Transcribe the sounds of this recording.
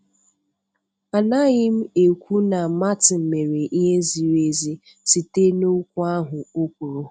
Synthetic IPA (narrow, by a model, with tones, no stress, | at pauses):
a˨na˦ɣɪ˦m̩˦e˨kʷu˦na˨ma˦tɪ˨m̩˨me˨ɾe˨ʔi˦ɦe˦zi˨ɾe˦zi˦ | si˨te˦no˦kʷu˦a˦ɦʊ˨o˦kʷu˨ɾo˨